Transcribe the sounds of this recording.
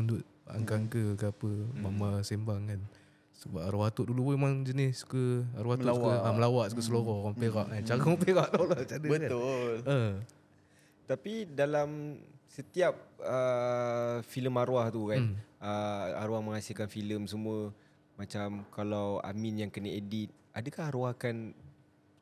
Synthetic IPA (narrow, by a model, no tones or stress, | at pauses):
nduʔ̚ | əa̰ŋkaŋkəkəapəmamasembaŋkan | səbap̚aɾuwat̪ʊʔ̚dulupuemaŋd͡ʒənɪssu̥kəaɾuwat̪uʔsukəaməlawaʔsu̥kəs̬əloɾɔkɔmpeɾaʔkant͡ʃaɣaɔmpeɣaʔt̪olɔt͡ʃadəbəʊlə | t̪apidalamsət̪iap̚ə | filəmaɾuaht̪ukanəa̰ɾuahməŋasilkanfiləmsəmũə | mat͡ʃamkalawa̰minjaŋkənəedit̪̚ | ʔadəkahaɾuahkan